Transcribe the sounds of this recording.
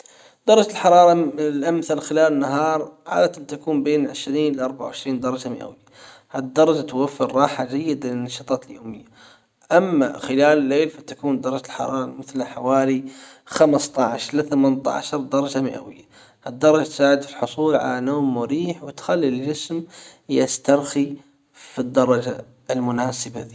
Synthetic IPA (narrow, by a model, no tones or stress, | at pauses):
d̪ɑɾˤɑd͡ʒalħɑɾˤɑːɾˤɑlʔamθalxɪlaːlɪnːaɦɑːɾˤʕa̰ːd̪at̪ɪnt̪akuːmbeːnʕɪ̰ʃɾiːnlʔɑɾˤbaʕawʕɪʃɾiːnd̪ɑɾˤɑd͡ʒamɪ̰ʔa̰wɪjːa | had̪ːɑɾˤɑd͡ʒat̪wafːɪɾːˤɑːħad͡ʒajːɪd̪alɪnːɑʃɑːt̪ˤɑːt̪ljoːmɪjːa | ʔamːa̰xɪlaːlɪlːeːlfat̪akuːnd̪ɑɾˤɑd͡ʒalħɑ̰ɾˤɑːɾˤɑmɪθlħawaːlixamst̪ˤɑʕʃlɪθamant̪a̰ʕʃɑɾˤd̪ɑɾˤɑd͡ʒamɪ̰ʔa̰wɪjːa | had̪ːɑɾˤɑd͡ʒat̪saːʕɪd̪filħʊsˤuːlʕa̰lanoːmːʊɾiːħwɪt̪xalːild͡ʒɪsmjɪst̪ɑɾˤxi | fid̪ːɑɾˤɑd͡ʒa̰ | ʔɪlmʊnaːsɪbaði